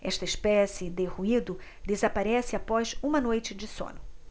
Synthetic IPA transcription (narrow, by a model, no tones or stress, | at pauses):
ɛʃt̪ɐɪʃpɛsɪd̪ɪhuid̪ʊ | d̪ezapaɾɛsɪapɔzũmɐnojt͡ʃɪd͡ʒɪsõ̰nʊ